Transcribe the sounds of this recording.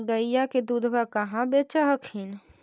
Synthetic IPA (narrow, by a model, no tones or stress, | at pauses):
ɡəijaked̪ud̪ʱbakəɦãbet͡ʃaɦəkhɪn